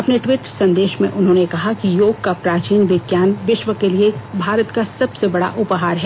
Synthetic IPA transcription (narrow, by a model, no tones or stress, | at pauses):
ɐpneʈʋɪʈɾsɐ̃nd̪eːʃmḛ̃ʔʊnɦõːnekɐɦakijoːɡ̚kapɾaːt͡ʃiːnʋɪɡjaːnʋɪʃʋəkeliebʱaːɾət̪kasɐbsebɐɽa̰ʔʊpɦaːɾɦɛ